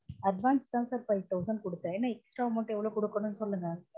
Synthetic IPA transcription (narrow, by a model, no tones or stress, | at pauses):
ɐɖʋaːnst̪ãːsaːɾfɐɪʋʈɐʊsɐnkɔɽɯt̪ːãeːnːaːɛksʈɾaːmɐʈːɯ̃ɛʋːɐɭoːkɔɽɯkːɐɳɯnːɯsɔlːɯŋɡɐ